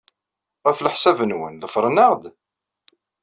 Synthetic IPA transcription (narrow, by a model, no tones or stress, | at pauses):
ʁæfləħsævənwə̰nðəfɾˤənəʁd̪